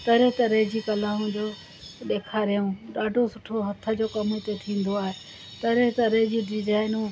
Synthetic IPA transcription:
t̪ɐɾet̪ɐɾeɦd͡ʑiːkɐlaːɦũd͡ʑoː | ɗ̪eːkʰaːɾijũːɗaːɖʱosʊʈʰoɦɐt̪ʰə̆d͡ʑoːkɐmit̪et̪ʰĩːn̆d̪oaːɦe | t̪ɐɾet̪ɐɾed͡ʑiːɖɪzaːɪnũː

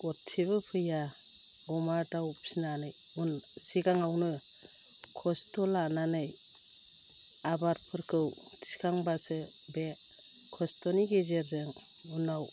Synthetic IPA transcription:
ɡɔttʰːiβɯpʰɯja | ɔmaɾtawpsinanɯj | unsikaŋawnɯ | kʰɔstɔlananɯj | abaɾpʰɯɾkʰɯw | sʰi̥kʰaŋbasɯ | be | kʰɔstɔniɡezeɾzɯŋ | unaw

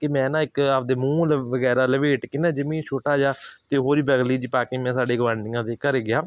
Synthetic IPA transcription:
kɪmɛ̃ːnãːɪkapd̪eːmũːlʋəɡɛːɾaːləʋeːʈkɪnãːd͡ʒɪmĩːt͡ʃʰoːʈaːd͡ʒaːt̪eːɦoːɾiːbəɡliːd͡ʒiːpaːkɪ̃ːmɛ̃ːsaːɖeːɡʋãːɳɖɪːãːt̪eːkəɾɡɪjaː

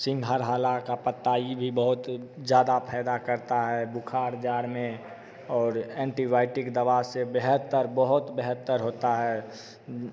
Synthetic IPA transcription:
sɪ̃ŋɡʱaɾɦaːlakapət̪ːaibʱibəɦʊt̪d͡ʒjaːd̪apʰɛːd̪akəɾt̪aɦɛbukʰaːɾd͡ʒaːɾmẽ | ɔːɾɛ̃ːɳʈibaɪʈɪkd̪əbasebeɦət̪ːəɾbəɦʊt̪beɦət̪ːəɾɦoːt̪aɦɛ

